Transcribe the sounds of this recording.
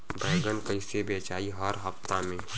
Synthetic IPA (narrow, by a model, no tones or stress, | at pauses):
bʱɛːɡənkɐĩsebeːt͡ʃaːiɦəɾɦəft̪amẽː